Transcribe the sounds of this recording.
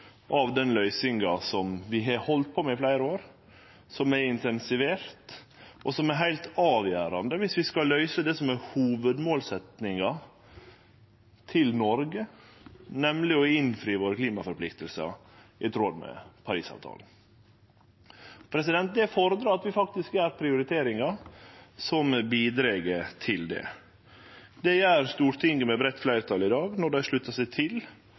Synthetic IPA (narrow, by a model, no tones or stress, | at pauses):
ʔɑʋd̪ɛnlœʏsɪŋɑsɔmʋɪɦɑɾhɔlt̪̚pʰomɛɪflæɪɾəoːɾ | sɔmɛɾɪnt̪ʰɛnsɪʋeːɾt̪ | ʔɔsɔmɛɾɦæɪlt̪ɑːʋjæːɾɑnd̪əʋɪsʋɪskɑlːœʏsəd̪ɛsɔmæɾhuːʋəd̪moːlsɛt̪nɪŋɑ | t̪ʰɪlnɔɾɡə | nɛmlɪɔɪnfɾiːʋoːɾkliːmɑfɔɾpʰlɪkt̪əlsə̰ | ʔɪt̪ʰɾoːd̪mɛ̰pʰɑɾḭːsɑ̰ːʋt̪ʰɑ̰ːln̩ | pʰɾɛsɪd̪ɛnt̪̚d̪ɛfoːɾəd̪ɾɑːɑt̪ʋɪfɑk̚t̪ɪskæɾpʰɾɪʊɾɪt̪ʰeːɾɪŋɑ | sɔmbiːd̪ɾeːɡət̪ʰɪld̪ɛ̰ | d̪ɛjæːɾst̪uːɾt̪ʰɪŋəmɛbɾɛt̪ːflæɪɾət̪ʰɑlɪd̪ɑːɡnɔɖæɪʂɭʉt̪ːɑsæɪt̪ʰɪl